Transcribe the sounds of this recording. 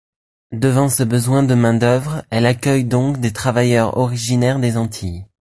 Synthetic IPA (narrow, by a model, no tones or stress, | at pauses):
d̪əvɑ̃səbəzwɛ̃d̪əmɛ̃d̪œvʁɛlakʲœjd̪ɔ̃kd̪et̪χavajœʁɔ̰ʁiʒinɛʁd̪ezɑ̃t̪ʰi